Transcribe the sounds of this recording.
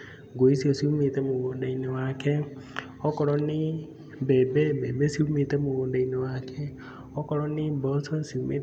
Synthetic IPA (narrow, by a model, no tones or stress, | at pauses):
ɡoisiɔsiumetɛmuwoːndainewakɛ | ɔkɔɾɔni | bɛbɛbɛbesiumetɛmuwoːndainewakʰɛ | ɔkɔɾɔnibɔsɔsiume